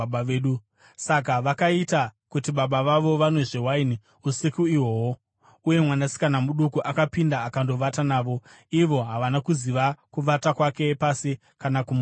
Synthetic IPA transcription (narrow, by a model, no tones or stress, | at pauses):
eːɗu | sak̬aʋakaitakutiɓaɓaʋaʋo̞ʋanweʐewaini | usikuiwo̞wo | uje̞mwanasi̥kanamuɗukuʔakapindaːkando̞ʋatanaːʋo̞ | iʋo̞ɦaʋanakuziʋakuʋatakwake̞pasi | kanakum